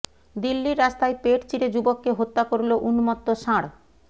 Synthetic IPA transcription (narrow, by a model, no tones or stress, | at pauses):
d̪ilːiɾːast̪ajpeʈt͡ɕiɾed͡ʑubokːeɦot̪ːakoɾloʔunumɔt̪ːoʃãɽ